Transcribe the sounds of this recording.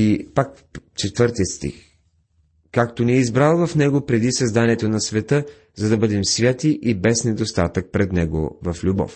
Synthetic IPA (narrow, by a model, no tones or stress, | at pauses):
ipak | t͡ʃɛt̪vɤɾt̪iət̪st̪ḭx | kakt̪oniɛizbɾalˠvɐfnɛɡopɾɛd̪isɐzd̪aniɛt̪onɐsvɛt̪ə | zɐd̪ɐbɤd̪ɛmsvʲjat̪iʔibɛsnɛd̪ost̪at̪ək̚pɾɛd̪nɛɡo̰vɐflʲubɔ̰f